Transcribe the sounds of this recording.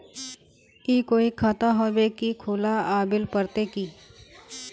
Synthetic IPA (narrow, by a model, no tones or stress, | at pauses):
kikoːikʰaːt̪aɦoːbekikʰʊːlaaːbɪlpəɾt̪ekiː